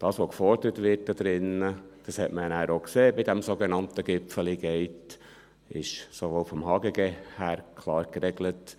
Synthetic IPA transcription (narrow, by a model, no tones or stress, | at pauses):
d̥ɑːsʋokfɔɾdəɾətʋɪɾt̚dɑd̥̪ɾɪnːəd̥ɑshɛtmənæːɾokseːbidɛmsoɡenɑntəɡɪpfəliɡɛɪt | ɪʃsoʋofɔmhɑːɡəɡehæːɾkʰlɑːɾkɾɛɡlət